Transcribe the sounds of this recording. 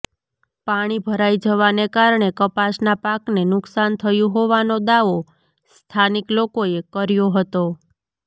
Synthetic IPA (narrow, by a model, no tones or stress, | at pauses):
paɽ̃ibʱəɾajd͡ʒəʋanekaɾɳekəpasnapaknenʊksant̪ʰəjũɦoʋanod̪aʋo | st̪ʰaniklokoekəɾjoɦət̪o